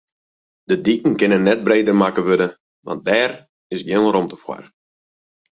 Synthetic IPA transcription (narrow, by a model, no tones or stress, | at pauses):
d̥ədikn̩kɪnənːɛt̚breːdərmakəʋødə | ʋɑ̰nt̚dɛːr | ɪsɡjɪnromtə̥fwa̰r